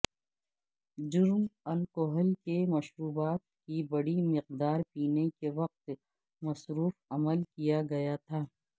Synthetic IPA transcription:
d͡ʒʊɾmɐlkoɦəlkemɐʃɾuːbaːt̪̚kibɐɽimɪq̚d̪aːɾpiːnekeʋɐq̚t̪ | mɐsɾuːfɐməlkijaɡɐjat̪ʰaː

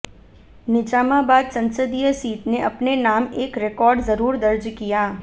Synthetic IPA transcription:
nɪd͡ʒaːmabaːd̪sɐ̃nsəd̪ijəsiːʈ̪neʔɐpnenaːmeːkɾɪkɔːɾɖzɐɾuːɾd̪ɐɾd͡ʒkijaː

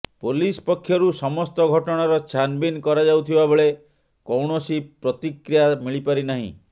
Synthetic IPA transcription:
polispɔkʰːjɔɾusɔmɔst̪ɔɡʱɔʈɔɽ̃aɾɔt͡ʃʰanbinkɔɾad͡ʒawt̪ʰibabɔɭe | kɔwɳɔsipɾɔt̪ikɾijamiɭipaɾinaɦḭ̃

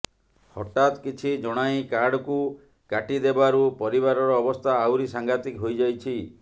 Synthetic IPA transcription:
hɔ̰ʈat̪kit͡ʃʰid͡ʒɔɽ̃aĩkaɾɽɔku | kaʈid̪ebaɾupɔɾiβaɾɔɾɔːbɔst̪ʰaːwɾisaŋɡat̪ikɦojd͡ʒajt͡ʃʰi

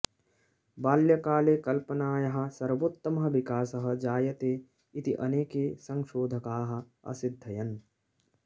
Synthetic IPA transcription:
baːljɐkaːleːkɐlpɐnaːjɐɦɐ̆sɐɾʋot̪ːɐmɐɦɐʋikaːsɐɦɐ̆d͡ʒaːjɐt̪eː | it̪iʔɐneːkeːsɐ̃ŋʃoːd̪ʱɐkaːɦɐ̆ | ɐ̰sid̪ʱːɐjɐn

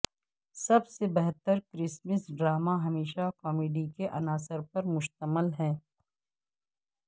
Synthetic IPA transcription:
sɐbsebɛɦt̪əɾkɾɪsməsɖɾaːmaɦɐmeːʃakɔːmeːɖikeʔɐnaːsəɾpɐɾmʊʃt̪əməlɦɛ̃ː

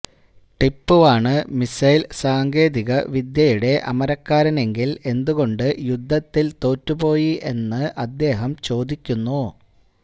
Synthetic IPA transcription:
ʈipːuʋaːɳɨmisɐjlsaːŋɡe̞ːðiɣɐʋid̪jɐjuɽe̞ʔɐ̰mɐɾɐkːaːɾɐne̞ŋɡile̞nd̪uɣo̞ɳɖɨjud̪ʱːɐt̪ːilt̪o̞ːtːupo̞ːjiʔe̞nːɨʔɐd̪ːe̞ːɦɐmt͡ɕo̞ːd̪ikʲːunːu

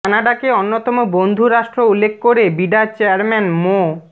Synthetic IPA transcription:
anaɖakeonːot̪ɔmobond̪ʱuɾaʃʈɾoulːekʰkoɾebiɖat͡ɕeaɾmɛnmo

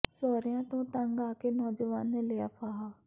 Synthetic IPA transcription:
soːɾijãt̪õt̪ɐ̃ŋɡaːkenɔːd͡ʒəʋaːnleafaɦa

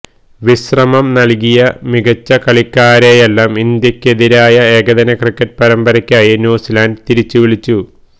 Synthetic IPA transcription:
ʋiɕrɐmɐmnɐlk̬ijɐmiɡɐt͡ɕːɐkɐɭikːaːɾejelːaːmind̪jɐkʲːeðiɾaːjɐe̞ːɡɐðɐnɐkrikːɐt̚pɐɾɐmbɐɾɐkʲːaːjinuːsilaːndt̪iɾit͡ɕːuʋiɭit͡ɕːu

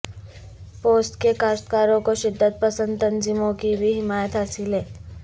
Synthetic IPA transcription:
poːsʈkekaːsʈkaːɾõkoʃɪd̪ʱːət̪̚pəsə̃nd̪t̪ə̃nzɪmõkibʱiɦɪmaːjət̪ɦaːsɪleː

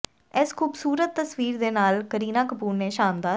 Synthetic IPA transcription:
ɛːskʰuːbsuːɾət̪ːəsʋiːɾd̪eːnaːlkəɾiːnãːkəpuːɾneːʃaːmd̪aː

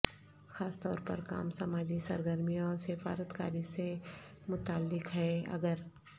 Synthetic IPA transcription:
xaːst̪ɔːɾpɐ̰ɾka̰ːmsɐmaːd͡ʒisɐ̰ɾɡəɾmĩɔːɾsɪfa̰ːɾət̪ka̰ːɾise | mʊt̪aːlːɪkɦɛɐ̰ɡəɾ

